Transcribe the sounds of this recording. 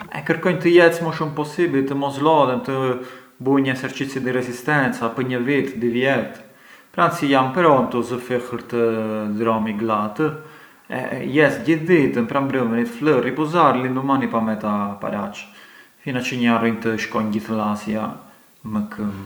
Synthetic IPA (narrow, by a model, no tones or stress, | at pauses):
ɛ̰kəɾkɔjnt̪əjɛt͡sməʃumpɔsibilt̪əmɔslɔd̪ɛnt̪ə | buɲəsɛɾt͡ʃit͡sid̪iɾɛzist̪ɛnt͡sapəɲəvit̪d̪ivjɛt̪ | pɾansijampəɾɔnt̪əzəfixəɾt̪əd̪ɾɔmiɡlat̪ə | ɛ̰jɛsɟiθd̪it̪əmpɾambɾəvənit̪fləripɔzaɾlind̪umanipamɛt̪apa̰ɾa̰t͡ʃfinat͡ʃəɲarɔjnt̪əʃkɔjɲɟiθəlasja̰ | məkʰəm